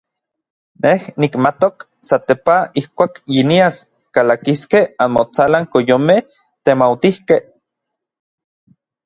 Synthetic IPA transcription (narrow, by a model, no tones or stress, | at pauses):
nehnikmat̪ok | sat̪epaihkʷaːkjinias | kalakiskehanmot͡salaŋkojome | t̪emawt̪ihkeh